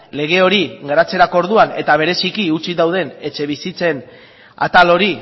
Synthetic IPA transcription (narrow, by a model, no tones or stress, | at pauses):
le̞ɣ̞e̞o̞ɾiɣaɾat͡se̞ɾako̞ɾðuane̞t̪aβ̞e̞ɾe̞sikiut͡sid̪awðe̞ne̞t͡ʃe̞βisit͡se̞n | a̰t̪alo̞ɾi